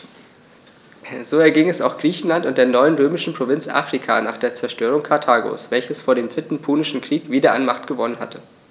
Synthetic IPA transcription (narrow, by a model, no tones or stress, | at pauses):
z̥oːɛɐɡɪŋɛsa̰ʊxɡ̥ʁiːçn̩lantʊnt̚d̥eːɐnɔʏənʁøːmɪʃn̩pʁ̥ovɪnt͡sʔa̰ːfʁ̥ikʰa̰ːna̰ːχd̥eːɐt͡sɛɐʃtøːʁ̞ʊŋkʰaɐtʰaːɡo̰ːsv̥ɛlçəsfoːɐɾeːmdʁɪtn̩pʰuːnɪʃn̩kʁ̥iːkv̥iːdɐʔa̰nmaχtɡ̥əvɔnənha̰tʰə